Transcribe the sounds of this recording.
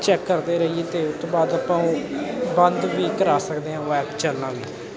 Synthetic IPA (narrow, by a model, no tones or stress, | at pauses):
t͡ʃɛːkːəɾd̪eːɾəieːt̪eːʊt̪ːoːbaːd̪aːpãːõbənd̪ʋiːkəɾaːsəkd̪eːɦãːʋɛːbt͡ʃəlnãːʋḭː